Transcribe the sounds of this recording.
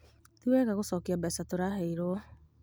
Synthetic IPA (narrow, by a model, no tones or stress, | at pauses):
tuwɛɣaɣosɔkiabɛsatoɾaɦeiɾoɔ